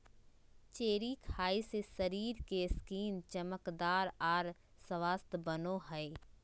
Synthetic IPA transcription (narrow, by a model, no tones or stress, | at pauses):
t͡ʃeːɾikʰaːisesɐɾiːɾkeskiːmt͡ʃɐməkd̪aːɾaːɾ | sɐʋaːst̪bənoɦɛe